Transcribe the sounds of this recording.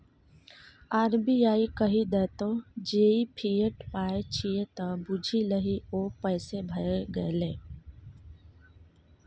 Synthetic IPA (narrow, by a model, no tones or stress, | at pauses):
aːɾbiaːikəɦid̪ɛːt̪od͡ʒeːipʰijəʈpaːet͡ʃʰiet̪ɐbʊd͡ʒʱiləɦioːpəːsebʱəeɡəeleː